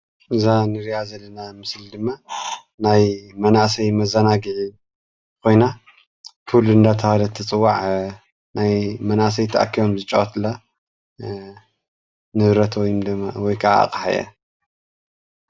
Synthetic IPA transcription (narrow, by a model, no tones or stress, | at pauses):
ʔɨzanɨɾijazɐlːɐnamɨslid̪ɨmːa | najmɐnaʔsɐjmɐzɐnaɡiʕi | kʰo̞jna | kʰɨluɨnd̪at̪ʰɐhalɐt̪ʰːɐt͡sʼɨwːaʕ | najmɐnaʔs̬ɐjt̪ʰɐʔa̰kʰːijomzɨt͡ʃʼɐ̰ɐt̪ʰlːa | nɨβɾɐt̪ʰwɔjumd̪ɨawɔjkʰaʔa̰a̰kʼaħa̰jɐ̰